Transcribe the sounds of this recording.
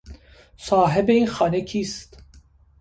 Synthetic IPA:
sɑːɦɛbejixɑːnɛkʰiːst̪

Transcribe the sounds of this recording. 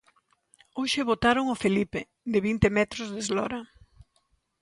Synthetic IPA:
oʃɪβot̪aɾʊŋofelipe | d̪ɪβint̪emɛt̪ɾʊzðezlɔɾɐ

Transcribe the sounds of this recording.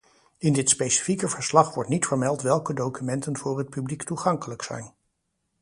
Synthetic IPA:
ɪndɪtspejsi̥fikəvəɹslɑχʋɔɹtnitfəɹmɛlˠtʋɛlˠkədowkymɛntənvʊːrɦət̚pybliktuχɑŋkələksɛ̰jn

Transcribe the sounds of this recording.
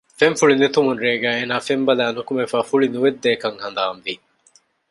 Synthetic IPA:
feɱfuɭinet̪umunɾeːɡæːeːnaːfembɐlæːnukumefaːfuɭinuʋed̪ːeːkɐŋhɐnd̪aːmʋi

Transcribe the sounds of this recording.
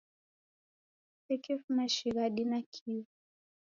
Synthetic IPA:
ɛkifunaʃiɣaɗinakʰivu

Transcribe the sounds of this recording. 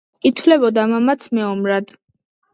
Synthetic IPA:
it̪ʰwlɛbɔd̪amamat̪sʰmɛɔmɾad̪̥

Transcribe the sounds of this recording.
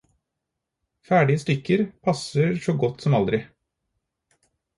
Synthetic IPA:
fæːɖɪəst̪ʏkːəɾpʰɑsəɾʂɔɡɔt̪ːsɔmɑld̪ɾɪ

